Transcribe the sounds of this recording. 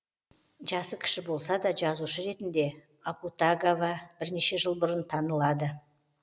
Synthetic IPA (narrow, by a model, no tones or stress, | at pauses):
ʒɑsəkʲʰɪ̥ʃɪbo̞lˠsɑd̪ɑʒɑzuʃəɾe̞t̪ɪnd̪e̞ | aput̪aɡavɑb̥ɪɾne̞ʃe̞ʒəlˠbʊɾənt̪ʰɑnəlˠɑd̪ə